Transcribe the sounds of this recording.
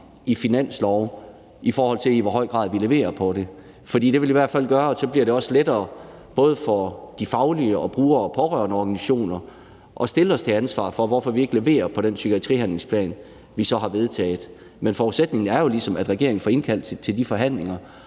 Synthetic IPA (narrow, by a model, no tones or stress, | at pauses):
ifinæn̰slɒʊ | ifɒːhɒ̽l̰t͡sʰe̝liʋɒ̽ɦɒɪ̰ɡ̥ʁɑ̰̈ːðˠʋile̝ʋe̝̰ːɐpʰɒ̽ɾ̥e̝ | fɒd̥ḭːd̥e̝ʋe̝liʋæɐ̰d̥fæl̰ɡ̥ɶːɐɒ̽sɒ̽b̥liɐɾe̝ɒ̽sledɐː | b̥ɔ̽ːð̞ˠəfɒd̥ifɑ̈ʊliəɒ̽b̥ʁuːɐɒpʰɒ̽ʁœɐnəɒɡ̥æniɕo̝̰ːnɐ | ʔɒ̽sd̥e̝ləɒ̽st͡sʰe̝ænsʋɑ̰̈ːfɒ̽ʋɒfɒ̽ʋie̝ɡ̥le̝ʋe̝̰ːɐpʰɒ̽ɾ̥ensyɡ̥iæt͡sʰʁḭːhænle̝ŋspʰlɛ̰ːn | ʋisɒ̽ɦɑ̈ʋe̝ð̞ˠt͡sʰɛ̰ːð̩ˠ | menfɒud̥sed̥ne̝ŋn̩æɐjo̝lisɒ̽mæd̥ʁɛɡ̥e̝ɐ̰eŋn̩fɒ̽e̝nkʰæl̰d̥t͡sʰe̝ld̥ifɒ̽ɦæn̰le̝ŋɐ